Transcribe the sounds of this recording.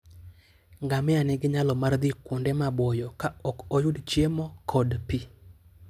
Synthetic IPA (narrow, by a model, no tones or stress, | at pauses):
ŋɡamɪanɛɡɪɲalɔmard̪ɪkwondɛmabɔjɔkaɔkɔjʊdt͡ʃjemɔkʰɔdpi